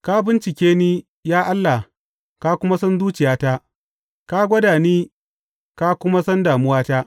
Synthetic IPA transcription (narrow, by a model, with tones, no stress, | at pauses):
ka˦bɪ˦nt͡ʃɪ˨kʲeː˦niː˦ | jaː˦ʔa˦lːa˨ | ka˦kʷʊ˦ma˦sɐ˦nzuː˦t͡ʃɪ˨jaː˦ta˦ | ka˦ɡʷɐ˦daː˨niː˦ | ka˦kʷʊ˦ma˦sɐ˦ndaː˨mʊ˦waː˦ta˦